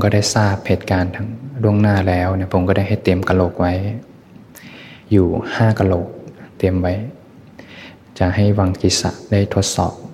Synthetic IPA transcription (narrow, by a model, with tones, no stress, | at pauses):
o˧mkɔ˧˩da˥˩jsaː˥˩p̚he˨˩t̪̚kaː˨˧nt̪ʰa˧ŋlu˥˩əŋnaː˥˩lɛː˦˥wna˧˩˨pʰo˨˧˦mkɔ˧˦ɾa˥˩jha˧˩t̪ːe˧mka˧lo˧˩k̚wa˧˦j | juː˨˧˩haː˥˩ka˧lo˧˩k̚t̪e˨˧˩mwa˨˦j | t͡ɕa˧˩ha˥˩jwa˧ŋki˧˩t̪̚sa̰˧˩da˥˩˨jt̪ʰo˧˩t̪̚sɔ̰ː˨˩p̚